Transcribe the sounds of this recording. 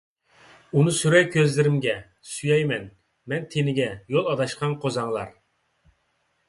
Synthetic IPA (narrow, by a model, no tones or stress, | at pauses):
unɨsyɾɛjkʲʰøzlɪɾɪmɡʲɛ | syjɛjmɛn | mɛnt̪ʰenɪɡʲɛjolˠɑd̪ɑʃqʰɑnqʰozɑŋlˠɑ̰ɾ